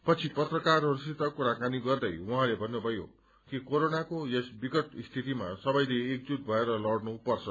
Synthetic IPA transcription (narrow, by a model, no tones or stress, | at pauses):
pʌt͡sʰipʌt̪rʌkarʌrisit̪ʌkuɾakaniɡʌrd̪ʌjwuɦãlebʱʌnːubʱʌjo̰ | kikoɾonakojʌsbikʌʈist̪ʰit̪imasʌbʌjleːk̚d͡zut̪̚bʱʌeɾʌlʌɽnupʌrt͡sʰʌ